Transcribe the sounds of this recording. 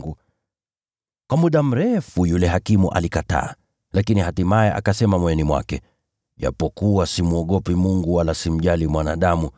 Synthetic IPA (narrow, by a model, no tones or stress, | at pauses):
ɡu | kwamuɗam̩ɾɛfujulɛɦakimuʔa̰likata̰ː | lakiniɦatimajɛʔa̰kasɛmamɔjɛnimwa̰kɛ | ʄa̰pɔkuwasimuɔɠɔpimuŋɡuwalasim̩ʄalimwanaɗamu